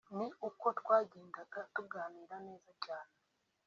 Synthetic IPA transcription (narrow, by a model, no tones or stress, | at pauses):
niuko̞twaːɟeːŋɡaɡatuɡaːniːɾane̞ːzacaːne